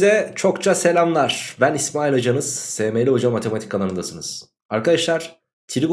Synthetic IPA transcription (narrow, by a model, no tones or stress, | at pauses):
zɛt͡ʃʰo̞kt͡ʃʰase̞lʲamlˠaɾ̥bænismaːilʲad͡ʒanɯz̥seːmelʲiɦo̞d͡ʒamːat̪ʰe̞mat̪ʰi̥kːalˠanɯnd̪asɯnɯz̥ | aɾkad̪aʃlˠaɾ̥ | t̪ʰiɾiɡ